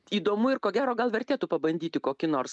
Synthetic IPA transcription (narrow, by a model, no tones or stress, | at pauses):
iːd̪oːmʊɪɾkoːɡʲæːɾoːɡɐlˠʋʲɛɾʲt̪ʲeːt̪upɐbɐnʲd̪ʲiːt̪ʲɪkoːkʲɪnoːɾs